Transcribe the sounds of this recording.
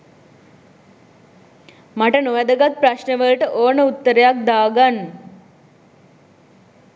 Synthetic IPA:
maʈənoʋæd̪əɡat̪̚praʃnəʋəlʈəʔoːnəut̪ːəɾejak̚d̪aːɡanː

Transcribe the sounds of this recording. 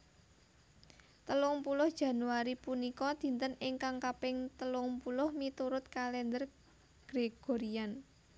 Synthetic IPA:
t̪əlʊŋpulʊhd̥ʒ̥ä̤nuaɾipunikɔd̪̥i̤nt̪ənɪŋkaŋkapɪŋt̪əlʊŋpulʊhmit̪uɾʊt̪̚kalɛnd̪ər | ɡ̥ɾeɡ̥o̤ɾian

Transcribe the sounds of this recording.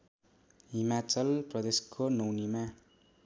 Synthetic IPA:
ɦimat͡sʌlprʌd̪eskʰonʌwnima

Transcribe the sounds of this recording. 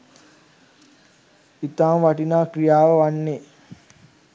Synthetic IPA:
it̪aːmʋaʈinaːkɾijaːʋəʋanːe

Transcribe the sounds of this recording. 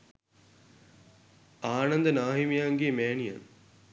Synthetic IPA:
aːnɐnd̪ənaːɦimjaːŋɡeːmeːnijɐ̰n

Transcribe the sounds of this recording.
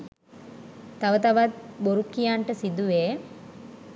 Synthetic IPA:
t̪aʋət̪aʋat̪̚boɾukːijaːɳʈəsid̪uʋeː

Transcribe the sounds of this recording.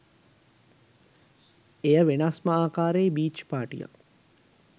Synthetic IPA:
ejəʋenasməaːkaːɾeːbiːt͡ʃpaːʈḭja̰k

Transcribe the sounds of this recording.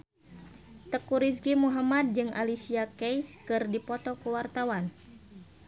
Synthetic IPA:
t̪əkuɾis̬ɡimuɦamad̚d͡ʒɨŋʔa̰lisiakɛjskɨrdipɔt̪ɔkuwart̪awan

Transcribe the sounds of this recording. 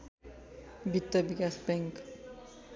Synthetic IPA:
bit̪ːəbikasbɛŋk

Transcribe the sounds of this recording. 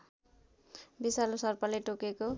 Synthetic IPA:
bisalosʌrpʌleʈokeko

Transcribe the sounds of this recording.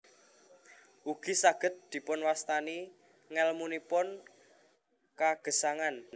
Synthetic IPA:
ʔuɡ̥i̤saɡ̥ə̤t̪̚d̪̥i̤pʊnwast̪ani | ŋɛlmunipʊn | kaɡ̥ə̤saŋan

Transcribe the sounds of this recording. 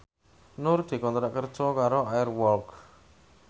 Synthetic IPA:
nʊrd̪̥i̤kɔnt̪ɾaʔkərd̥ʒ̥ɔkaɾoajərwɔlk

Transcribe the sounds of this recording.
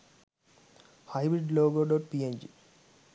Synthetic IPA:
hɐjbɾiɖloːɡoɖoʈ̚pieɲd͡ʒi

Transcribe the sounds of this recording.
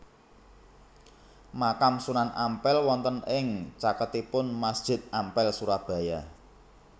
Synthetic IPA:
makamsunanʔampɛlwɔnt̪ənɪŋt͡ʃakət̪ipʊnmasd̥ʒ̥ɪ̤t̪̚ampɛlsuɾahb̥ä̤ja

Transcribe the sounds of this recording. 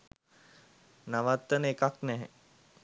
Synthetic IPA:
naʋat̪ːənəekaknɛɦḛ

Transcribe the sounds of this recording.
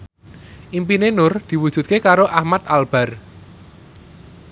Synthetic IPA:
ʔimpinenʊrd̪̥i̤wu̥ʒ̥ṳt̪̚kekaɾoʔahmat̪̚alb̥a̤r

